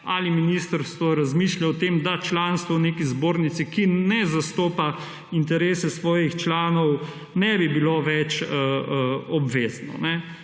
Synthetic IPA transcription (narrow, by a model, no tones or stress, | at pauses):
aliminist̪əɾst̪ʋɔɾazmiːʃljaɔt̪eːmd̪at͡ʃlanst̪ʋɔneːkizboːɾnit̪sikinɛzast̪oːpa | int̪ɛɾeːsɛsʋɔːjixt͡ʃlaːnɔw | nɛbibiloʋɛt͡ʃəɔbʋeːznɔ̰nɛ